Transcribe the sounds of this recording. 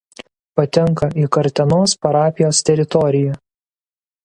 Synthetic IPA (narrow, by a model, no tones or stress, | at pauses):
pɐt̪ʲɛŋˑkɐiːkɐɾʲt̪ʲɛnoːspɐɾɑːpʲɪjoːst̪ʲɛɾʲɪt̪ɔɾʲɪjɛ